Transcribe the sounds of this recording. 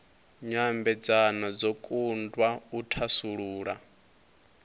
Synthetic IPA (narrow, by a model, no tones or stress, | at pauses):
ɲambɛd͡zanad͡zɔkʼundwautʰasuɺuːɺa